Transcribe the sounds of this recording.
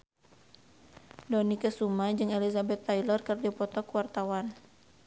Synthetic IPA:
dɔnikəsumad͡ʒɨŋelizabɛt̪ːajlɔrkərdipɔt̪ɔkwart̪awan

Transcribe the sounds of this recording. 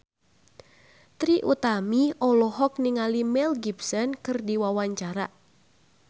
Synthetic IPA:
t̪ɾiʔut̪amiɔlɔɦɔk̚niŋalimɛlɡibsɔnkɨrdiwawaɲt͡ʃaɾa

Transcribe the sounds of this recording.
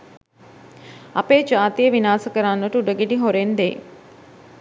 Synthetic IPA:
ɐ̰peːd͡ʒaːt̪ijəʋinaːsəkəɾanʋəʈəuɖəɡeʈiɦoɾend̪ḛː

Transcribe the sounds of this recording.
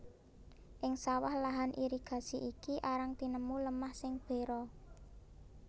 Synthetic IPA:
ʔɪŋsawahlaɦanʔiɾiɡ̥a̤siʔikiʔaɾaŋt̪inəmuləmahsɪŋb̥e̤ɾɔ

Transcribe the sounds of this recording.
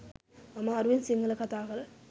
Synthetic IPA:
ɐmaːɾuʋinsiŋɡɐlɐkɐt̪aːkɐlɐ

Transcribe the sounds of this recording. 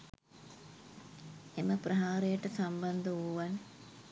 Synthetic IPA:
eməprɐɦaːɾejəʈəsamband̪uuʋan

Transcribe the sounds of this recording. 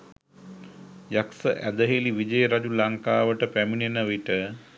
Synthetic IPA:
jaksəʔæd̪əɦeliʋid͡ʒəjəɾad͡ʒulaŋkaːʋəʈəpæminenəʋiʈə

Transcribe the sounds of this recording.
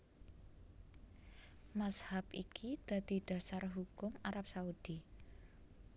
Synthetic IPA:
mashapikʰid̪̥a̤d̪̥i̤ɖ̪̥a̤sarɦukʊmaɾap̚saud̪̥i

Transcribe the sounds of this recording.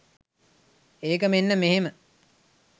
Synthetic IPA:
eːkəmenːəmeɦemə

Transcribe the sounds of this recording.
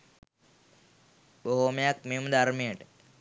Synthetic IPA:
boɦomejak̚mejməd̪aɾmijəʈə

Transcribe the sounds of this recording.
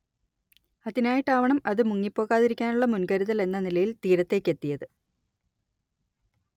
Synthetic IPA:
ɐðinaːjiʈːaːʋɐɳɐmɐðɨmuŋːipːo̞ːɣaːðiɾikʲːaːnuɭːɐmunkɐɾuðɐle̞nːɐnilɐjilt̪iːɾɐt̪ːe̞ːkːe̞t̪ːijɐðɨ

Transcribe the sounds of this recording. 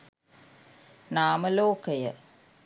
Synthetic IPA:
naːməloːkəjə

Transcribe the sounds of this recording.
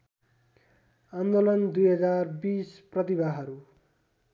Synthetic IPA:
and̪olʌnd̪ujɦʌd͡zarbisprʌt̪ibaɦʌɾu

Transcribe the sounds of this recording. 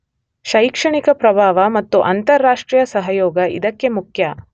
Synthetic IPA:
ʃɐjkʂɐɳikɐpɾɐbʱaːʋɐmɐt̪ːuʔɐnt̪ɐɾːaːʂʈɾijɐsɐɦɐjoːɡɐḭd̪ɐkːe̞mukʰjɐ

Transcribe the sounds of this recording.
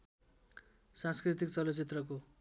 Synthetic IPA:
sãnskrit̪ikt͡sʌlot͡sit̪rʌko

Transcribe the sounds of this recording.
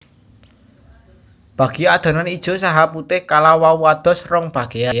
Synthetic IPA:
b̥ä̤ɡ̥i̤ad̪̥a̤nanid̥ʒ̥o̤saɦaput̪ɪhkalawawad̪̥ɔ̤srɔŋb̥ä̤ɡ̥ejaj

